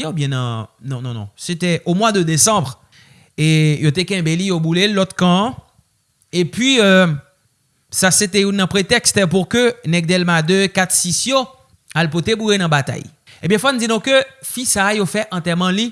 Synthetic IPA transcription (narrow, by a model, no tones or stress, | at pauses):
eubjɛ̃nɐ̃nɔ̃nɔ̃nɔ̰̃set̪ɛʔomwad̪əd̪esɑ̃bʁ | ejot̪ekɛ̃belijobulelɔt̪kã | epɥiø | saset̪ɛjunɐ̃pʁet̪ɛkst̪puʁkønɛɡ̚d̪ɛlmad̪økat̪sisjo | alpot̪ebujenɐ̃bat̪a̰j | ebjɛ̃fɔnud͡zinɔ̃køfisaːjofɛʔɑ̃t̪ɛmɑ̃li